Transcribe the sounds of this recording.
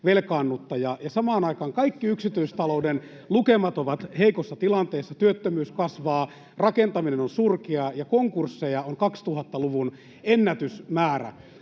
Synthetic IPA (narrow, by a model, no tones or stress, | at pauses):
ʋelkɑːnːut̪ːɑjɑjɑsɑmɑːnɑikɑːŋkɑikːiyksit̪yist̪ɑlouden | lukemɑt̪oʋɑt̪heikosːɑt̪ilɑnt̪eːsːɑt̪yøt̪ːømyːskɑsʋɑː | rɑkent̪ɑminenonsurkeɑjɑkoŋkursːejɑoŋkɑkst̪uhɑt̪ːɑluʋun | enːæt̪ysmæːræ̰